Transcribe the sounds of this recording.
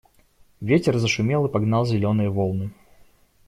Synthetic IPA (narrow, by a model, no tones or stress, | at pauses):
vʲetʲɪrzəʂʊmʲelˠɨpɐɡnɑlˠzʲɪlʲonɨjəvolˠnɨ